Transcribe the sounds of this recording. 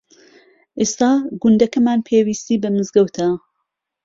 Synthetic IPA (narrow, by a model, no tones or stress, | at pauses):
ʔest̪aːɡʊnd̪ɐkɐmaːnpʰeːwiːst̪iːbɐmɨzɡɐwt̪ʰɐ